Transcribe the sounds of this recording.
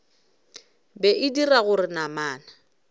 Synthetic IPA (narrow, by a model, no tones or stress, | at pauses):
bɛʔɪdiraɣʊrɪnamaːna